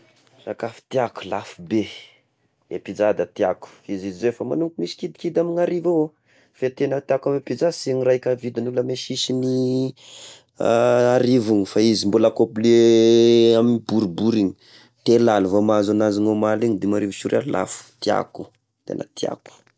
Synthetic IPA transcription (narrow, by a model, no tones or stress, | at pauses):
sakafi̥t̪iaku̥lafube | epid͡zad̪ət̪iaku̥izizizefama̰nuŋkumisi̥kid̪i̥kid̪aminaɾivao | fet̪enət̪iakamepid͡ʒasinirakavid̪inuləmeʃiʃini | aɾivuŋifaizimbulakopile | aminibuɾubuɾiɲi̥ | t̪elaluvomazanaziŋomaliɲid̪imaɾiviʃuɾa̰la̰fu̥t̪ia̰ku̥ | t̪ḛna̰t̪ia̰ku̥